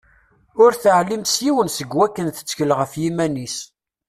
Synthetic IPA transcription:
ʊɾθəʕlːimt̪sjiwənsəɡwækːənθə̥t͡sːçəlʁəfjimænis

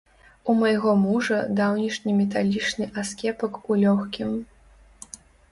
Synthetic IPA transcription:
umajɣɔmuʐɐd̪awnʲiʂnʲimʲɛt̪̬alʲit͡ʂnɨʔaskʲɛpɐkulʲɔxkʲim

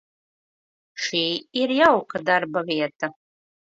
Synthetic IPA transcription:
ʂiːiɾjawkad̪arbɐvʲiɛt̪ʰɐ

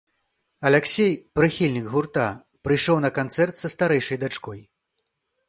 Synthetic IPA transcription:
ɐlʲɛksʲejpɾɨxʲilʲnʲikɣurt̪a | pɾɨjʂɔwnɐkant̪sɛrt̪sɐst̪aɾɛjʂɐjd̪at͡ʂkɔj

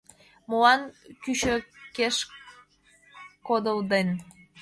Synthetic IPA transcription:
moɑnkyɕøkeʃ | kod̪əld̪en

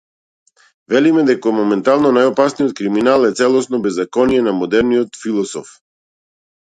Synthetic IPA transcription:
vɛlimɛd̪ɛkomɔmɛnt̪alˠnɔnajɔpasnijɔt̪̚kɾiminalˠɛt̪sɛlˠɔsnɔbɛzːakɔnijɛnamɔd̪ɛɾniɔt̪filˠɔsɔ̰f

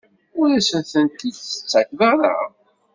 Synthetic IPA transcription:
ʊɾæsənθənt̪idθə̥t͡sːækvaɾˤa̰

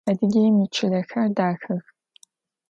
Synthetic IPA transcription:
ɐdɨɡʲejmɨt͡ʃʰɪɮɐxɐrdaːxɐx

